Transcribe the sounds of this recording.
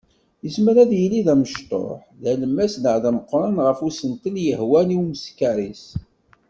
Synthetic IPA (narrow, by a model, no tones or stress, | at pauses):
jəsmæɾæðjəlːiðæməʃt̪ˤo̰ħðæləmːæsnəʕðæməqːɾˤɑnʁəfusənt̪iljəhwæniwmskæɾis